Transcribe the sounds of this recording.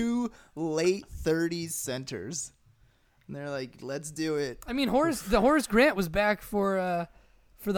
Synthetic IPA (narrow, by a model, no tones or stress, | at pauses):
ʉleɪt̪̚θɜ˞ɾi̥sɛ̃ntʰə̰˞z̥ | n̩ðə˞laɪklɨtsd̥ɨɪt̚aɪmĩnɦɔɹɨsðɨhɔɹɨsɡ̥ɹæ̃nʔwʌzbækfə˞ʌ | fə˞ðə